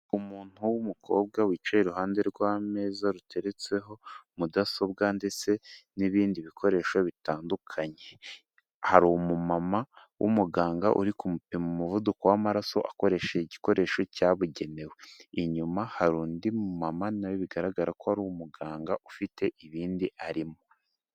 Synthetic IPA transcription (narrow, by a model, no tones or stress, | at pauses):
umuːn̥huwumukʰo̞̰ːb̚ɡawiːt͡ʃajiɾuɦaːnde̞ɾɡwaːme̞ːzaɾute̞ɾet͡se̞ɦo̞mudaso̞b̚ɡande̞t͡se̞niβiːndiβikʰo̞ɾe̞ːʃo̞βitaːndukʰaɲe̞ | haɾumumama | wʔṵmuɡaːŋɡaʔṵɾikumupemumuvudukowamaɾaso̞̰ʔako̞ɾe̞ːʃeiɟiko̞ɾʔe̞ːʃo̞caːβuɟe̞ne̞weiɲumahaɾuːndimumamanajoβiɡaɾaɡaɾakohaɾuwomuɡaːŋɡaʔufitʰe̞ʔiβiːndiʔaɾimo̞